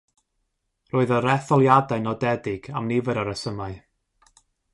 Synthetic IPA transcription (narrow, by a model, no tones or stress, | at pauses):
roːɨðəɾɛθɔlˠjadaɨnɔdɛdɪɡ̥amnɪvəɾəɾəsəmaɨ